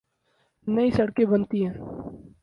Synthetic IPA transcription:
nɐisɐɽkebɐnt̪iɦɛ̃ː

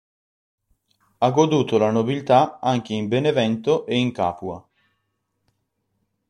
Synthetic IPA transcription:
aɡod̪uːt̪olanobilt̪aaŋk̟eimbenevɛnt̪oʔeiŋka̰ːpua

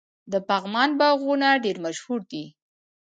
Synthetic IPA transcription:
d̪əpaɣmɑnbaɣunaɖeɾmaʃhuɾd̪i

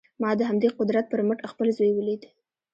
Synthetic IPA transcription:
mɑd̪əɦamd̪eqʊd̪ɾat̪̚pəɾməʈaxpəlzojwəlid̪i

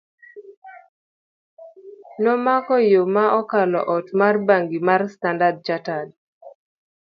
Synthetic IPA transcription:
nɔmakɔjomaʔɔkalɔ̰ʔɔtmarbaŋɡimarstandad̚t͡ʃatad

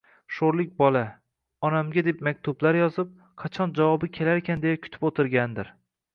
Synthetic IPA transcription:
ʃoɾlɪk̚ʲbɒla | ɒnamɡʲad̪e̞pmak̚ʲt̪ʰʊblaɾjɒzɪp̚ | qʰɑt͡ʃʰɒnd͡ʒavɒbɪkʲʰe̞laɾekʰʲand̪ejakʲʰʊ̥t̪ʰɪpot̪ʰɪɾɡʲand̪ɪɾ

